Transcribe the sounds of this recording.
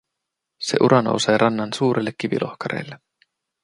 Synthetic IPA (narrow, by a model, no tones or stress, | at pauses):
se̞̰ʔuɾʔɑno̞̰wse̞ːɾʔɑnːɑnsuːɾʔelːekʲːiʋḭlʔo̞̰hkɑɾḛːlːe